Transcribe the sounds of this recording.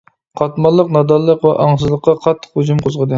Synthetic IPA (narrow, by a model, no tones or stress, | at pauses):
qʰɑt̪mɑlˠːəqnɑd̪ɑlˠːəqwɛ̰ʔɑŋs̬ɨzlˠəqʰːɑqʰɑt̪ʰːə̥χhud͡ʒumqʰozʁəd̪ɨ